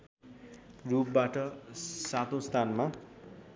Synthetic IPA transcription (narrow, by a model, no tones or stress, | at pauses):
rup̚baʈʌsat̪õst̪ʰanma